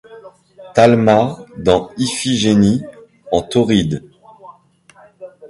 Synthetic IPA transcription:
t̪almad̪ɑ̃ifiʒeni | ɑ̃t̪ɔʁid̪

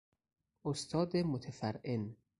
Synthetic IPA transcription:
ʔost̪ʰɒːd̪emot̪ʰæfæɾʔen

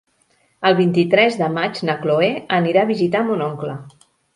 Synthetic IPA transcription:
əlˠβ̞int̪it̪ɾɛzðəmad͡ʒnəkloeəniɾaβizit̪amunoŋklə

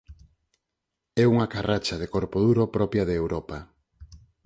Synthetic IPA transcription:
ɛuŋakarʔat͡ʃaðɪkoɾpoðuɾopɾɔpjɐðeeːwɾɔpa

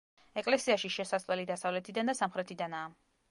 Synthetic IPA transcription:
ɛkʼlɛsiaʃiʃɛsasʼlɛlid̪asavlɛt̪ʰid̪and̪asamχɾɛt̪ʰid̪anaː

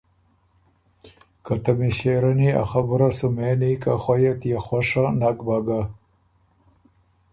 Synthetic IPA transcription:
kat̪amiɕeɾania̰xabuɾasumenikaxwajat̪jexwaʂanakbaɡa

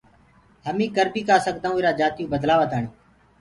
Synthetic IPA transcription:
həmĩːkəɾbiːkaːsəkd̪aːũːɪːɾaːd͡ʒaːt̪jũːbəd̪laːʋət̪aːɳiː

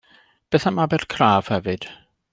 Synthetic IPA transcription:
b̥ɛθamabɛrkʰraːv̥hɛvɨd̥

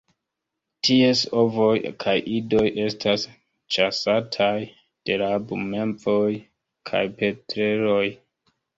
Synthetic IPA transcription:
tieso̞vo̞jkʰajʔido̞jʔe̞stʰas | t͡ʃasatʰaj | d̥e̞labume̞mpo̞j | kʰa̰jpe̞tɾe̞ɾo̞j

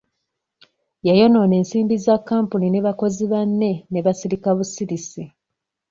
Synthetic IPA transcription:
jajo̞no̞ːne̞ːnsiːmbizakːaːmpunine̞βako̞ziβanːe̞neβasiɾikaβusiɾisi

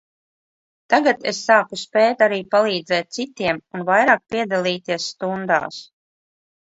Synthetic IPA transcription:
t̪aɡat̪esːaːkuspɛːt̪aɾiːpalˠiːd̪zɛːt̪̚sit̪iɛmunvajɾaːk̚pʲiɛd̪alˠiːt̪iɛsːt̪und̪a̰ːs

